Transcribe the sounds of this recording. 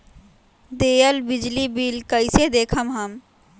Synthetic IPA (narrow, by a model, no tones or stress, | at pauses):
d̪eːəlbɪd͡ʒlibilkəɪsed̪eːkʰəmɦəm